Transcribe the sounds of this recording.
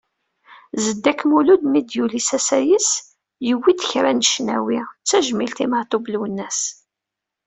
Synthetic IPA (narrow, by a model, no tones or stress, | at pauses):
zəd̪ːækːmulud̪mid̪julisæsæjəs | jəwːid̪əçɾænəʃnæ̰wit͡sːæʒmilt̪iməɾt̪ˤoblwənːæs